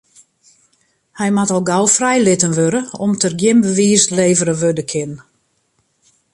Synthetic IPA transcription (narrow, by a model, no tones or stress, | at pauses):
hɛjmatɔlˠɡalˠfrɛjlɪtənʋøɾəɔmtərɡjɪmbəʋiːsleːvəɾəʋødəkʰɪn